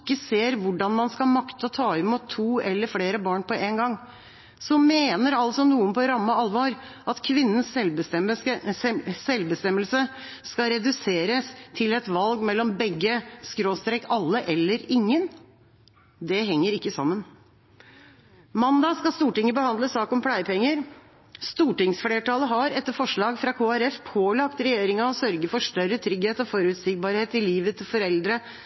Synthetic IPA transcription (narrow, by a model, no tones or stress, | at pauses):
kːəseːɾʋʊɖɑnmɑnskɑlmɑkt̪əɔt̪ʰɑːɪmuːt̪ʰːuːɛlːəɾfleːɾəbɑːɳpɔʔeːnɡɑŋː | sɔmeːnəɾɑlsɔnuːənpɔɾɑmːəɑlʋɑːɾ | ʔɑt̪kʰʋɪnːəns | sɛlbəst̪ɛməlsə | skɑɾɛd̪ʉseːɾəst̪ʰɪlɛt̪ʋɑlɡmɛlːɔmbɛɡːəskɾoːst̪ɾɛkɑlːəʔɛlːəɾɪŋːən | d̪ɛɦɛŋːəɾɪkːəsɑmːən | mɑnd̪ɑskɑst̪uːʈɪŋəbəhɑnd̪əsɑːkɔmpʰlæɪpʰɛŋːəɾ | st̪uːʈɪŋsfleːʈɑːləɦɑɾɛt̪ːəfɔʂɭɑːɡfɾɑkʰoːæɾɛfpʰoːlɑkt̪ɾɛjeːɾɪŋɑɔsœɾɡəfɔʂʈœɾːət̪ʰɾʏɡheːt̪ɔfɔɾʉt̪sɪɡ̚bɑːɾheːt̪ɪliːʋət̪ʰɪlfɔɾɛld̪ɾə